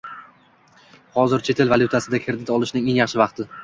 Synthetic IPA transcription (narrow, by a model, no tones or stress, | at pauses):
hɒzɪɾt͡ʃʰe̞t̪ʰelvaljʊt̪ʰasɪd̪akʲʰɪɾd̪ɪt̪ɒlˠɪʃnɪŋe̞ŋjɑχʃɪvɑqt̪ʰɪ